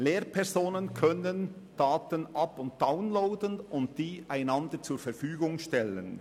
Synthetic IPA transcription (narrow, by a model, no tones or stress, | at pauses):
leːɾpʰɛɾzoːnənkʰœnən | d̥aːtənʔɑpʊnt̚d̥aʊnloʊdənʊntd̥iːʔaɪnɑndəɾt͡suːɾfɛɾfyːɡʊŋʃtɛlə̰n